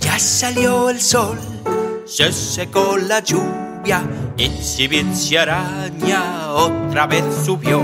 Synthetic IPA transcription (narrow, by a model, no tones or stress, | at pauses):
d͡ʒasaljɔilsɔl | sesːekonlad͡ʒuβjaensiβinsjaɾaɲaɔt̪ɾaveθsupjo